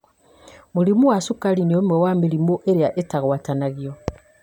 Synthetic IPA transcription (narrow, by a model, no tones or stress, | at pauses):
muɾimuwasukaliniomwewamiɾimuʔeɾeaʔetaɣwatanaɣjo